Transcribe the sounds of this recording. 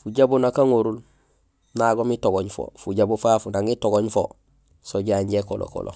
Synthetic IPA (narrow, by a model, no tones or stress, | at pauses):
fuɟabunakaŋoɾul | naɡomitoɡoɲfo̰fuɟabufafunaŋitoɡoɲfo | soɟaɲɟekolʔo̰ko̰lʔo̰